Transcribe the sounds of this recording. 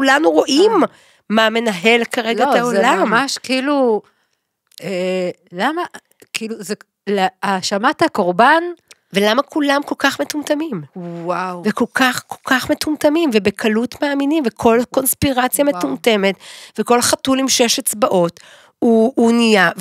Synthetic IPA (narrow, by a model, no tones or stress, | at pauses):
kulanuʁo̞ʔimː | ame̞naɦe̞lkaʁeɡataolammaʃkilu | elama | kiluze | leaʃamathakoʁbanvelamakulamko̞lkaχme̞tumtamimwawveko̞lkaχko̞lkaχme̞tumtamimvebekʰalutmaːminimvekʰo̞lko̞nspiʁat͡sjame̞tumte̞metveko̞lχatulimʃeʃat͡sbaʔo̞t | uːnija